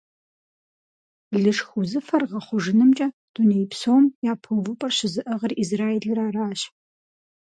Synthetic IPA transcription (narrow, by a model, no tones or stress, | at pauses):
ɮɨʂxʷʊzɨfɐrʁɐχʷʊʒɪnɨmt͡ʃʼɐ | d̥unejpsowmjaːpʰovɨpʼɐrɕɪzɨʔɐʁɐrizraːeɮɐɾaːraːɕ